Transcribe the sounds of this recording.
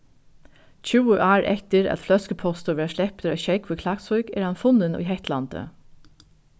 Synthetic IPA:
c͡çʉːəʔɑːɹʔɛ̰ht̪əɾɑ̰t̪flœskəpʰɔst̪ʊʋæːʂlɛpt̪əɾœʃɛɪkʰʋɪkʰlɑksɔʏɡeːɾhɑnfʊnənṵːɦɛht̪lɑ̰nd̪ə̰

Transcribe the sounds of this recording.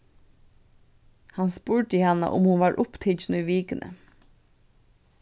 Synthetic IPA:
hɑnspuːʈəɪhɑnə̰ʔʊ̰mhʊnʋɑːɹʔʊpt̪ʰɪnʉːʋiːkənʔə̰

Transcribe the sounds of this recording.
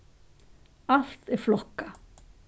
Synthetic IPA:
al̥t̪ɛɾflɔhkːa

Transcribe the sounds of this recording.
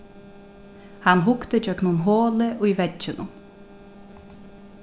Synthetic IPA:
hanɦʊkt̪əd͡ʒœknʊnɦoːləʔujvɛʒɪnʊ̰n

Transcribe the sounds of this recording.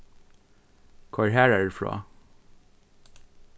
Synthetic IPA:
kʰʊɹhæːɹæːɖʉːfɹo̰ː

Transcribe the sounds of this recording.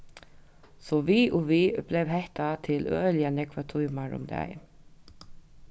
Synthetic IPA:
sɔviːʔɔviblɛʋɦɛht̪at̪ʰɪlœːljanɛkʋat̪ʰujmaɹʊ̰md̪ɛ̰ɪ

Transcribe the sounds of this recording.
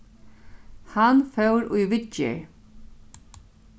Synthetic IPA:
hanfœwɾʊjʋɪt͡ʃɪ̰ɹ

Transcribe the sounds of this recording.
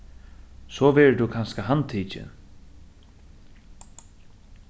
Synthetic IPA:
sɔːʋɛɹd̪ukʰanskaɦant̪ʰiːt͡ʃɪ̰n

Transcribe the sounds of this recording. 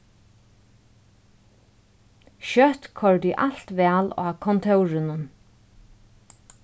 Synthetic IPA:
ʃœht̪kʰɔɹd̪iʔal̥t̪ʋɛːlɑ̰ːkʰɔnt̪ʰœwɾɪnʊn

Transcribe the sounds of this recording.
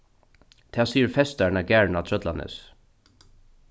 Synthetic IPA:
t̪ʰaːsiːəɾfɛst̪aɹɳaɡæːɹnat̪ʰɾœt̪lanɪ̰s

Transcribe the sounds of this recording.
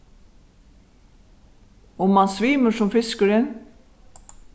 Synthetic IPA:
ʊmːɑnsʋiːməʂɔmfɪskəɾɪn

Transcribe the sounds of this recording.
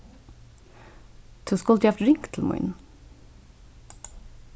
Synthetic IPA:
t̪ʰɔskɔlt̪jɑft̪ɹɪŋkt̪ʰl̩mɔ̰ɪn

